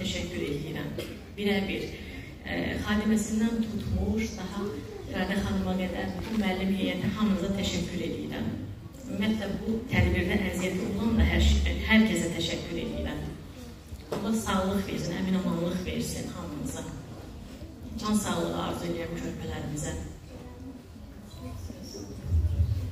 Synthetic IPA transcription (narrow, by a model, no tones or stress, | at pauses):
æʃæcʰːyɾe̞lijiɾæ̰m | biɾæbiɾ | χɑːd̪imæsind̪ænt̪ʰut̪ʰmuɾd̪ɑɦɑ | ɡæɾd̪æχɑnɯmɑɡæd̪æɾb̪unmæːlːimɦejæt̪ʰiɦɑmɯzɑt̪ʰæʃæcʰːyɾe̞lḭjḭɾæ̰m | mːæt̪ʰlæbut̪ʰæd̪biɾd̪æɾæzijæt̪ʰio̞lˠɑnd̪ɑɦhæɾcʰesd̪æt̪ʰæʃæcʰːyɾe̞̰lḭjiɾæm | od̪ˠɑsɑɣlˠɯχvḛɾsinæ̰minɑmɑnlˠɯχve̞̰ɾsḭnhɑmɯzɑ | d͡ʒʰɑnsɑɣlˠɯʁɯ̰ɑ̰ɾzɯelijæncʰø̞ɾpʰælæɾimizæ